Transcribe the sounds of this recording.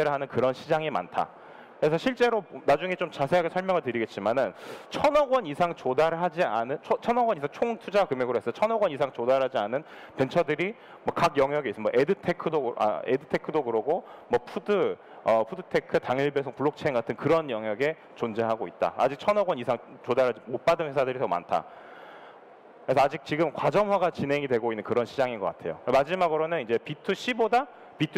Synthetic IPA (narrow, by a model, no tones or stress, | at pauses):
eɾɯɭɦanɯnkɯɾʌnɕʰid͡ʑaŋima̰ntʰa̰ | kɯɾe̞sʰʌɕʰiɭt͡ɕ͈e̞ɾonad͡ʑuŋe̞t͡ɕomt͡ɕasʰe̞ɦaɡesʰʌɭmjʌŋɯɭtɯɾiɡet̚t͡ɕ͈imanɯnt͡ɕʰʌnʌɡwʌnisʰaŋt͡ɕodaɾɯɭɦad͡ʑianɯnt͡ɕʰt͡ɕʰʌnʌɡwʌɲisʰaŋt͡ɕʰoŋtʰud͡ʑakɯmjeɡɯɾoɦes͈ʌet͡ɕʰʌnʌɡwʌnisʰaŋt͡ɕodaɾɭɦad͡ʑianɯn | pe̞nt͡ɕʰʌdɯɾi | mwʌkakjʌŋɦjʌɡeis͈ɯnmwʌʔe̞dɯtʰe̞kʰɯdoa̰edɯtʰe̞kʰɯdoɡɯɾʌɡomwʌpʰudɯ | ʌpʰudɯtʰe̞kʰɯtaŋiɭbesʰʌŋpuɭːok̚t͡ɕʰeeŋɡatʰɯnkɯɾʌnjʌŋɦjaɡe̞ | t͡ɕond͡ʑeɦaɡoit̚t͈a̰a̰d͡ʑik̚t͡ɕʰʌnʌɡwʌnisʰaŋt͡ɕodaɾɦad͡ʑimot̚p͈adɯnwe̞sʰadɯɾitʌma̰ntʰa̰ | kɯesʰʌad͡ʑik̚t͡ɕiɡɯmkwad͡ʑʌmɦwaɡat͡ɕinɦe̞ŋidwe̞ɡoinːɯnkɯɾʌnɕʰid͡ʑaŋinɡʌk͈atʰe̞̰jokɯmad͡ʑimaɡɯɾonɯnind͡ʑe̞pitʰɯɕ͈ʰiboda | pitʰ